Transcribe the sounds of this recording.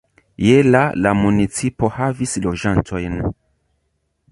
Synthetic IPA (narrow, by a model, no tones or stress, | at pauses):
jelalamunit͡sipo̞havislo̞d͡ʒantʰo̞jn